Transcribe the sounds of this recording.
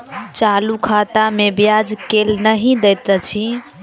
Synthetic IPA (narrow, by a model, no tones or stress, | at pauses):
t͡ʃalukʰat̪amebjad͡ʒkelnəɦĩd̪ɛt̪ət͡ʃʰi